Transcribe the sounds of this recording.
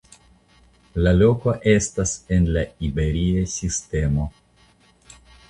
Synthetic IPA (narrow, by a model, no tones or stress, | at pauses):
lalo̞koʔe̞stase̞nlaibe̞ɾiesiste̞mo̞